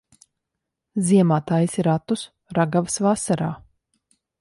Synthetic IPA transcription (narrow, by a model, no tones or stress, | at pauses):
ziɛmaːt̪aːjisiɾat̪us | ɾaɡavsvasaɾaː